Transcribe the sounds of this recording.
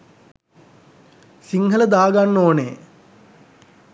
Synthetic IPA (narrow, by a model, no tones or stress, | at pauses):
siŋhɐlɐd̪aːɡanːoːnḛː